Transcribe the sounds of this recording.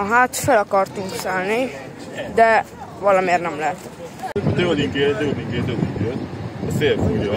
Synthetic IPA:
ɦaːt̪følɒkɒrt̪uŋksaːlni | d̪ɛ | ʋɒlɒmeːrnɛmlɛt̪ | t̪øliŋket̪øliŋkeːt̪ød̪iŋɡet̪ɔseːɾfujɔ

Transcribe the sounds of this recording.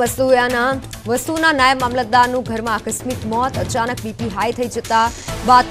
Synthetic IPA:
əst̪ujana | ʋəst̪unanajəmːamlad̪aɾnũɡʱəɾmãakəsmikmɔt̪ət͡ʃanək̚bipiɦajt̪ʰəid͡ʒət̪aba

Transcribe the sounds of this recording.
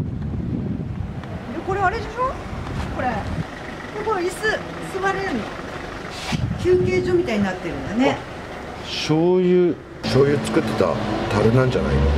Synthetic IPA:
d̪eko̞ɾe̞aɾed͡ʑaɕo | ko̞ɾe | soɡoisɨ | sɨβaɾeɾɯɲi | kʲɨːkʲe̞ːʑo̞ːmʲit̪aiɲ̟inat̪ːe̞ɾɯ̟̃nd̪ane̞ | ɕoːjɯː | ɕoːjɯ̟ːt͡sɨ̥kɯ̟t̪ːe̞̥t̪a̰t̪aɾɯ̟nãɲd͡ʑana̰ino

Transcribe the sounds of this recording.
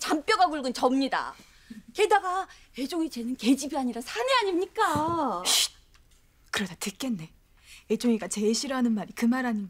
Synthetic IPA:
t͡ɕamp͈jʌɡaɡuɭɡɯnt͡ɕʌmɲida̰ | ke̞daɡa | e̞d͡ʑoŋit͡ɕe̞nɯnke̞d͡ʑibiaɲiɾasʰaneaɲimɲik͈a | kɯɾʌdatɯk͈e̞nːe̞ | ed͡ʑoŋiɡat͡ɕe̞ɕʰiɾʌɦanɯnmaɾikɯmaɾaɲi

